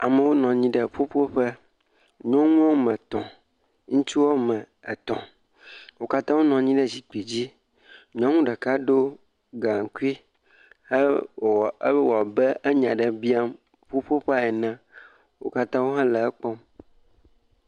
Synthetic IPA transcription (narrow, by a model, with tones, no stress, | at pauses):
a˨mɛ̃˨wo˦nɔ̃˨ɲĩ˦ɖə˨ɸo˦ɸo˦ɸɛ˦ | ɲɔ̃˦ŋũ˦ɔ˦mɛ̃˨t̪ɔ̃˨ | ŋũ˦t͡ʃu˦wo˦mɛ̃˨ | ɛ˨t̪ɔ̰̃˨ | wo˦ka˦t̪ã˦wo˦nɔ̃˨ɲĩ˦ɖɛ˦d͡ʑi˨k͡pi˨d͡ʑi˦ | ɲɔ̃˦ŋũ˦ɖɛ˨ka˦ɖo˦ | ɡa˨ŋ̩˨ku˦i˦ | e˦˨˦ | wɔ˨bɛ˦ʔe˦ɲã˨ɖɛ˨bi˦a˦m | ɸo˦ɸo˦ɸa˦ɛ˨nã˦ | wo̰˦ka˦t̪ã˦wo˦ɦã˦lɛ˨ɛ˦k͡pɔ˦m